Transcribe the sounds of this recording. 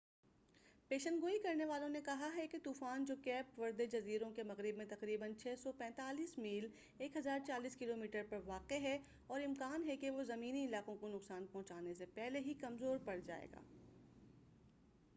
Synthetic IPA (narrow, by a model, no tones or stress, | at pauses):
peːʃə̃nɡoːikɐɾneʋaːlõnekɐɦaɦɛket̪uːfaːnd͡ʒoːkɛːpʋɐɾd̪ed͡ʒɐziːɾõkemɐɣɾɪbmẽt̪ɐqɾiːbənt͡ʃʰɛːsɔpɛ̃ːt̪aːliːsmiːl | eːkɦɐzaːɾt͡ʃaːliːskɪloːmiːʈəɾpɐɾʋaːqeɦɛ | ɔːɾɪmkaːnɦɛkeʋozɐmiːniɪlaːqõkonʊqsaːnpɔ̃ɦt͡ʃaːnesepɛɦleɦikɐmzoːɾpɐɽd͡ʒa̰ːḛːɡa̰ː